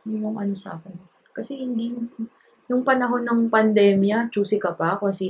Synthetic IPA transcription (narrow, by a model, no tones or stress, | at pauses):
jʊŋʊŋʔɐno̞sa̰ːkɪn | kɐsɛhɪnd̪i | jʊŋpɐnɐɦo̞nɐŋpɐnd̪ɛːmjɐt͡ʃuːsɪkɐpakosiː